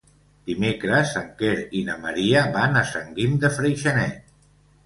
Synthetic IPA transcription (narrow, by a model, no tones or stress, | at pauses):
d̪̥imekɾəsaŋkeɾinəməɾiəβanəsəŋɡimd̪əfɾejʃənɛt̪